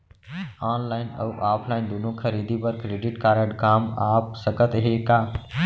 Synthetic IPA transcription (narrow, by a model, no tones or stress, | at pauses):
aːnlaːɪnə̰uʔaːpʰlaːɪnd̪uːnõkʰəɾiːd̪ibəɾkːɾeːɖɪʈkaːɾəɖkaːmaːpsəkət̪ɦekaː